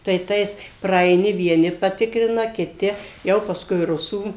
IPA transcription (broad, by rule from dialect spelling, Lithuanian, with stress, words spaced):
tɐɪ ˈtɐɪs prɐɐɪˈnʲɪ ʋʲiɛˈnʲɪ pɐˈtʲɪkrʲɪnɐ kʲɪˈtʲɪ ˈjɛʊ pɐsˈkʊɪ ˈrʊsuː